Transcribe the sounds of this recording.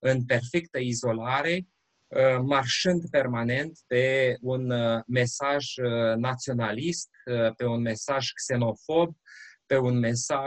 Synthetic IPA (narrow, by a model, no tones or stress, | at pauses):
ɨnpe̞rfekt̪əizo̞laɾe̞ | marʃɨnd̪pe̞rmane̞nt̪pe̞unme̞saʒnat̪sio̞nalist̪pe̞unme̞saʒkse̞no̞fo̞b̚pe̞unme̞sa